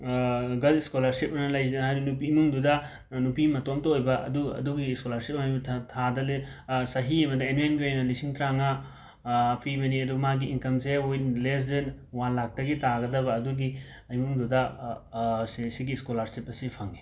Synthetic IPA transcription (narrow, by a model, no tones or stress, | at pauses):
ɡɐliskolaɾsip̚ɐnɐlɐjzɦajɾinup̬iːmuŋdudɐ | nupimɐtomtɐojbɐʔɐ̰duɐ̰duɡiːskolaɾsip̚ɐmajʰtʰadɐlesɐɦiɐmɐdɐenuenɡiojnɐlisiŋtɾaŋa | pʰimɐniɐdumaɡiːnkɐmseojles̬din | wanlak̚tɐɡitaɡɐdɐbɐːduɡi | jmuŋdudɐ | ssiɡiskolaɾsipɐsipʰɐŋi